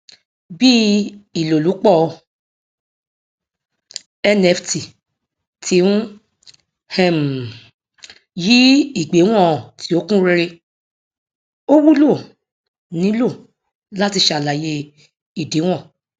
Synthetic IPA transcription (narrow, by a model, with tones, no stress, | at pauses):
bi˦i˨lo˨lu˨˦k͡pɔ˦˨˧ | ɛ˦nɛ˦˧˨fti˨ | tʰi˨˦ũ˦ | hɛ̃˨m˨ | ji˦i˦˨ɡ͡be˨˦w̃ɔ̃˦˨tʰi˨˦o˦kũ˦ɾe˧ɾe˧ | o˦wu˦lo˦˨ | nĩ˨˦lo˦˨ | la˦ti˧ʃa˨la˨je˧ | i˨de˨˦w̃ɔ̃˦˨